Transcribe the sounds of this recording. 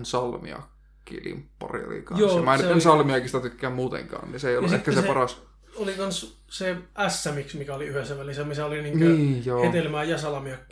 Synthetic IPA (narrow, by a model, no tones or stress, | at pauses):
nsɑlmḭɑ̰kː | ḭːlḭmpːɑ̰rḭo̰lḭkɑnosːmæˑnːænsɑlmiɑkisit̪æt̪ykːæːmmuːt̪ḛŋkɑ̰ːnniseˑijoluʔehtkæsespɑrɑs | olikɑns | seæsːæmiksmikæoliyhesːæʋælisæmisæoliniːŋnkiːjohːet̪elmæːjɑsɑlɑmiɑkː